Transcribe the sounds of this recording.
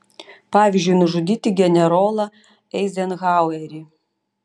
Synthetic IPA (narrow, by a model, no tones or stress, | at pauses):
pɑːʋʲizʲd͡ʒʲʊjnʊʒʊd̪ʲiːt̪ʲɪɡʲɛnʲɛɾoːlˠɐ | ɛɪzʲɛnɣɑwɛɾʲi